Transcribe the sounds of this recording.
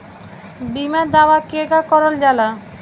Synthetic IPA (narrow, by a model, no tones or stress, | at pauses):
bimad̪awakeɡakɔɾold͡ʑala